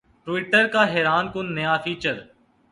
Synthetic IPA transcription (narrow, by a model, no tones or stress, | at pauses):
ʈʋɪːʈəɾkaːɦeːɾaːnkʊnːəjaːfiːt͡ʃəɾ